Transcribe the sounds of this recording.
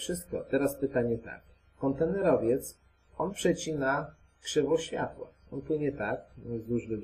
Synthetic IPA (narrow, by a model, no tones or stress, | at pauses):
fʂɘst̪̚kɔ̰t̪ɛɾaspɘt̪aɲɛt̪a̰k | kːɔnt̪ɛnɛɾɔvʲjɛt̪s | ɔnpʂɛt͡ɕina | kʂɛvɔɕfʲja̰t̪wa̰ | ɔnpwɘɲɛt̪ak̚nzd̪uʐlɘ